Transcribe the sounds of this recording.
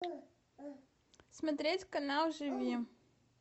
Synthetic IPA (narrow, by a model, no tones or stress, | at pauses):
smɐt̪ɾʲetʲkɐnalˠʐɨvʲi